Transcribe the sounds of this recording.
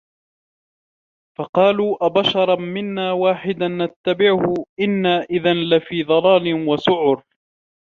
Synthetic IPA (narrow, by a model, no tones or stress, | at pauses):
fɑqɑːluːʔabaʃɑɾˤɑmɪnːaːwaːħɪd̪anːat̪ːabɪʕʊhʊʔɪnːaːʔɪðanlɪfiːd̪ˤɑlɑːlɪnwasʊʕʊɾ